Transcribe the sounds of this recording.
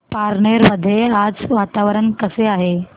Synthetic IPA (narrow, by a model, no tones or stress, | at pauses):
paɾɳeɾməd̪ʱːjead͡zʋat̪aʋəɾənkəseaɦe